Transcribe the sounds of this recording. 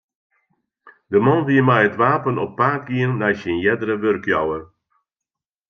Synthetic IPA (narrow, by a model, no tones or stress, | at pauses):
dəmɔnʋiəmɛjətʋaːpənɔpːaːk̚ɡiənːɛjsinjɛdəɾəʋørkjɔwər